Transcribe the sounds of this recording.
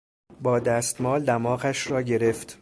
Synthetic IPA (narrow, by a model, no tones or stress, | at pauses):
bɒːd̪æːst̪mɒːld̪æmɒːɣæʃrɒːɟe̞ɾe̞ft̪